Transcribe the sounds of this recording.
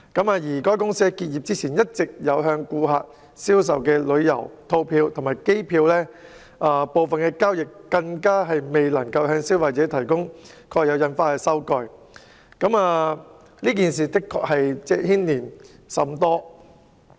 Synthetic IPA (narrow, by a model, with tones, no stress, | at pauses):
kɐ˨˥maː˧jiː˨˩kɔː˥jkʊ˥ŋsiː˥kiː˧t̚jiː˨p̚t͡siː˥t͡sʰiː˨˩njɐ˥t̚t͡sɪ˨k̚jɐ˨˧wɦœː˧ŋkuː˧ɦaː˨k̚ | siː˥ws̬ɐ˨wkɛː˧lɵ˨˧ɥjɐ̰˨˩wt̪ʰo˧wpʰiː˧wt̪ʰʊ˨˩ŋmaː˨jke˥jpʰiː˧wlɛː˥ | ʔaː˨˧po˨˧wfɐ˨nkɛː˧kaː˥wjɪ˨k̚ːɐ˧ŋkaː˥ɦɐ˨jme˨jlɐ˨˩ŋkɐ˧whœː˧ŋsiː˥wɐː˨t͡sɛː˨˥t̪ʰɐ˨˩jkʊ˥ŋkʰɔː˧k̚jɐ˨˧wjɐ˨˧nfaː˧t̚hɐ˨jsɐ˥wkɔː˧j | kɐ˨˥maː˨ | liː˥k̬iː˨ns̬iː˨t̪ɪ˥kʰːɔ̰ː˨k̚hɐ˨jt͡sɛː˥hiː˥nliː˨˩n | sɐ˨˥mt̪ɔː˥